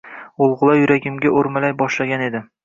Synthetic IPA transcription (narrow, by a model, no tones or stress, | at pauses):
olˠʁʊlˠajʊɾaɡʲɪmɡʲaʔoɾmalajbɒʃlaɡʲane̞d̪ɪ